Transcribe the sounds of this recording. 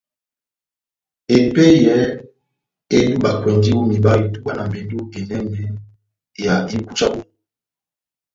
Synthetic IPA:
e˨pe˦jɛ˦ | e˦du˦ba˨kwɛ˨ndi˦wu˦mi˨ba˦i˨tu˦ba˦na˨mbe˨ndu˦e˨nɛ˦nɛ˨ | ja˨i˦ku˦t͡ʃa˦bo˨˦

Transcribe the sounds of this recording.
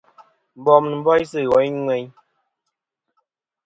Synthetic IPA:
bɔ˨mnɨ˨m̩˦bɔ˦jsɨ˦˨ɣɔ˨˦ŋwɛ˦ɲ

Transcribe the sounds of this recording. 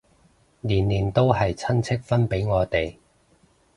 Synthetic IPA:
liː˨˩nliː˨˩nt̪o˥whɐ˨jt͡sʰɐ˥nt͡sʰɪ˥k̚fɐ˥npe˨˥jŋɔː˨˧t̪e˨j

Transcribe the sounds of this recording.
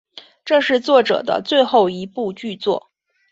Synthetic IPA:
ʈ͡ʂɤ˥˧ŋʂɻ̩˥˧t͡swɔ˥˩ʈ͡ʂɤ̰˨˩d̪ə̰˦t͡swe˥˧ɪxo˥˩ʊi˧˥pu˥˧t͡ɕy˥˧t͡swɔ̰˥˩

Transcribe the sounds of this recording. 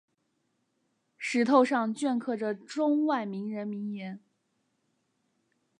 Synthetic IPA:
ʂɻ̩˧˥t̪ʰo˥˧ʊʂɑ˥˧ŋt͡ɕɥɛ˥˧nkʰɤ˥˩ʈ͡ʂə˩ʈ͡ʂʊ˥ŋwa˥˩ɪmi˧˥ŋɻə˧˥nmi˧˥ŋjɛ˧˥n

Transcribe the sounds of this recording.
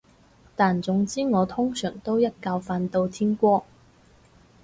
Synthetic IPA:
t̪aː˨nt͡sʊ˨˥ŋt͡siː˥ŋɔː˨˧t̪ʰʊ˥ŋsœː˨˩ŋt̪o˥wjɐ˥t̚kaː˧wfaː˧nt̪o˧wt̪ʰiː˥nkʷɔː˥

